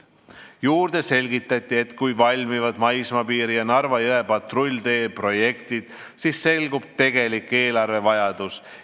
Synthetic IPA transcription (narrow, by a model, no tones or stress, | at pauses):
juːrd̪̥e̞se̞lʲɡit̪ːˑɑt̪ʲːˑie̞t̪kujvɑlʲmivɑd̪mɑjsmɑpiːɾijɑnɑrvɑjɤe̞pɑt̪ro̞lʲd̪e̞ːpro̞je̞kt̪id̪̥ | siːsːe̞lɡub̥̚t̪e̞ɡ̥e̞likːˑe̞ːlɑrve̞vɑjɑd̪̥us